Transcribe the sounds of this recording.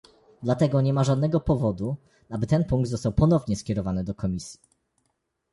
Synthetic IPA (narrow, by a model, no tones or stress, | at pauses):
d̪lat̪ɛɡɔɲɛmaʐad̪nɛɡɔpɔvɔd̪u | abɘt̪ɛnpũŋkɡ̚t̪zɔst̪awpɔnɔvɲɛskʲɛɾɔvanɘd̪ɔkɔmʲisʲji̥